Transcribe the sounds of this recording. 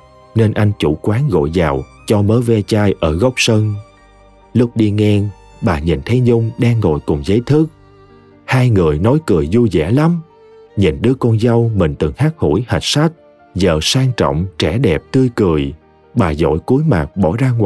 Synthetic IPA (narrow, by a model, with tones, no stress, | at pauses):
ne˧nʔa˧jŋ̟t͡ɕṵ˧˩kwaː˨˦nɣo̰˧˨jzaː˨˩w | t͡ɕɔ˧məː˨˦vɛ˧t͡ɕaː˧jʔəː˧˩ɣə˦˥wk͡p̚sə˧n | lʊ˦˥k̚ɗi˧ŋɛ˧ŋ | ɓaː˨˩ɲḭ˧˨nt̪ʰə˨˦jɲʊ˧ŋ͡mɗaː˧ŋːo̰˨jkʊ˨˩ŋ͡mzəː˨˦jt̪ʰɨ˦˥k̚ | haː˧jŋɨ˨˩əjnɔ˨˦jkɨ˨˩əjzu˧zɛ̰˧˩la˨˦m | ɲḭ˧˨nɗɨ˧˦əkɔ˧nza˧wmï˨˩ŋ̟t̪ɨ˨˩ŋhaː˦˥k̚ho̰˧˩jha˨˩jk̟̚sa˦˥k̚ | zə̰ː˧˨saː˧ŋt͡ɕɔ̰˧˨wŋ͡mt͡ɕɛ˧˩ɗɛ˨˩p̚t̪ɨ˧əjkɨ˨˩əj | ɓaː˨˩zo̰˧˨jku˨˦jma̰ː˨˩k̚ɓɔ˧˩zaː˧ŋ˨